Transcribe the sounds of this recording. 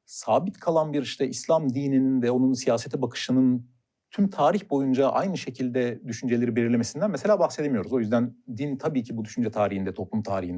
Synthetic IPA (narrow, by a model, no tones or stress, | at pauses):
saːbit̪kʰalˠanbiɾiʃt̪ɛislʲamd̪iːnininvɛo̞nunsijaːse̞t̪ʰibakʰɯ̥ʃɯnɯn | t̪ʰymt̪ʰaːɾiçbo̞jund͡ʒaʔa̰jnɯʃe̞cʰilʲd̪ɛd̪yʃynd͡ʒeeɾibelʲiɾlʲeme̞sind̪ænmɛse̞lʲaːbaxsed̪emijo̞ɾuzo̞jyzd̪ænd̪int̪ʰabiːcʰibud̪yʃynd͡ʒɛt̪ʰaːɾihind̪ɛt̪ʰo̞plˠumt̪ʰaːɾihin